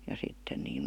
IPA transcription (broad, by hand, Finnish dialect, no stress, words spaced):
jɑ sitːen niːn̞